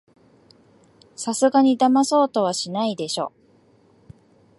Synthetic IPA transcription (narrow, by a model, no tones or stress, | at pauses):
sasɨɡaɲ̟id̪amaso̞ːt̪o̞βaɕinaid̪e̞ɕo̞ː